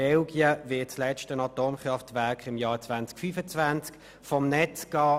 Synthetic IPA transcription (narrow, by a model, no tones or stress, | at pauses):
ɛlɡjəvɪɐt̚t͡slɛt͡ʃtənɑtoːmχʁɑftvæɐkχɪmjɑːt͡svant͡skfyfət͡svant͡sk | fɔmnɛt͡sɡɑː